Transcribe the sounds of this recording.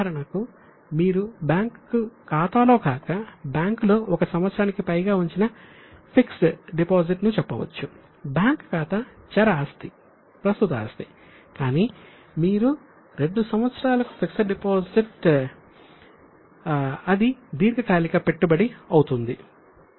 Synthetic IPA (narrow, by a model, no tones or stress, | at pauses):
ɐɾɐɳɐku | miːɾubjaːŋkːukaːt̪aːlo̞ːkaːkɐbjaːŋklo̞ːɔkɐsɐmʋɐt̪sɐɾaːnikipɐjɡaːuɲt͡ʃinɐ | pʰiksɖipoːziʈnut͡ʃɛpːɐʋɐ̰t͡ʃːu | bjaːŋkkaːt̪ɐt͡ʃɐɾɐaːst̪i | pɾɐst̪ut̪a̰ːst̪i̥ | kaːniː | miːɾu | ɾe̞ɳɖusɐmʋɐt̪sɐɾaːlɐku̥pʰiksɖipoːsiʈ | ɐd̪id̪iːɾɡɐkaːlikɐpeʈːubɐɽiɐwut̪und̪i